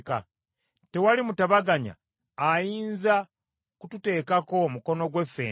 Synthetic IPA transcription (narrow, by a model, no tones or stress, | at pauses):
ka̰ | te̞walimutaβaɡaɲa̰ː | jiːnza | kutute̞ːkako̞muko̞no̞ɡwe̞fe̞̰